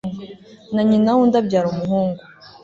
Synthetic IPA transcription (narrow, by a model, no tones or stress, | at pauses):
naɲinawundabɟaːɾumuɦuːŋɡu